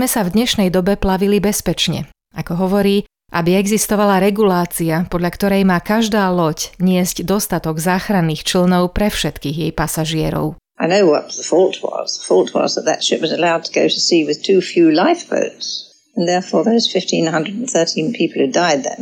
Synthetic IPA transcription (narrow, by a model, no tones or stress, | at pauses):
mɛsavd̪ɲɛʃnɛjd̪ɔbɛplaʋilibɛspɛt͡ʃɲɛ̰ | akɔɦɔʋɔɾiː | ʔabiɛɡzist̪ɔʋalaɾɛɡulaːt͡siapɔd̪lʎakt̪ɔɾɛjmaːkaʒd̪aːlɔcɲɪɛzɟd̪ɔst̪at̪ɔɡzaːxɾanːiːxt͡ʃl̩nɔʊpɾɛfʃɛt̪kiːɣjɛjpasaʒɪɛɾɔ̰ʊ | aɪnoʊwʌt̪̚ðəfɔlˠt̚ʰwʌ̰zðəfɔlˠt̚ʰwʌ̰zðət̪̚ðɨ̰tʃɪpwʌzəlaʊd̚tʰəɡoʊɾəsiwɨð̥tʰʉfjʉlaɪfb̥o̰ʊtz̥ | ə̃nðɛɹfɔːɹðəwʌz̥fɪftʰĩnɦʌ̃ndɹədn̩θɜ˞ɾĩnpʰipl̩ˠhʉdaɪd̪̚ðə̰̃n